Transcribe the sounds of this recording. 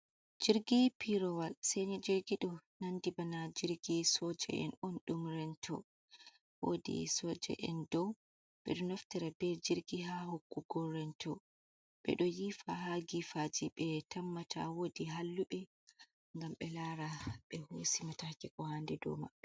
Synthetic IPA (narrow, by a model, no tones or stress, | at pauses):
d͡ʒiɾɡipiɾɔwalsɛɲɛd͡ʒiɾɡiɗɔnandibanad͡ʒiɾɡisɔd͡ʒɛ̰ʔɛ̰nɔnɗumɾɛntʰ | wo̰dḭsɔd͡ʒɛ̰ʔɛ̰ndɔw | ɓɛ̰ɗɔnɔftɛɾɛbɛd͡ʒiɾɡiɦahokːuɡɔrːɛntʰɔ̰ | ɓɛ̰ɗɔjifaɦaɡifad͡ʒiɓɛtamːatʰa̰wodiɦalːuɓɛ | ŋɡamɓɛlaɾaɓɛhosimatakɛkɔhandɛdɔ̰ma̰ɓːɛ